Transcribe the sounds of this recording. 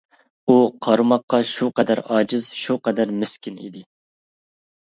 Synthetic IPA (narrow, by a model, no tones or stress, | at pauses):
uqʰɑɾmɑqːɑʃuqɛd̪æɾɑːd͡ʒɪzʃuqɛd̪æɾmyskʲinḭd̪ɪ